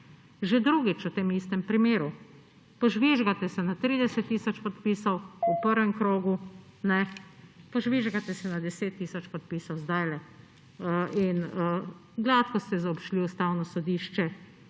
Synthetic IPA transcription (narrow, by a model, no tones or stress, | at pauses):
ʒed̪ɾuːɡit͡ʃut̪eːmiːst̪ɛmpɾimeːɾu | pɔʒʋiʒɡat̪ɛsɛnat̪ɾiːd̪ɛsɛt̪ːiːsɔt͡ʃpɔt̪piːsɔwupəɾʋɛmkɾoːɡu | nɛpɔʒʋiʒɡat̪ɛsɛnad̪ɛseːt̪ːiːsɔt͡ʃpɔt̪̚piːsɔwzd̪ajlɛ | in | ɡlat̪kɔst̪ɛzaɔpʃliust̪awnɔsɔd̪iːʃt͡ʃɛ